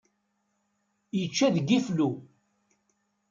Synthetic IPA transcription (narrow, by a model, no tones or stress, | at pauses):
jət͡ʃːæðɡiflu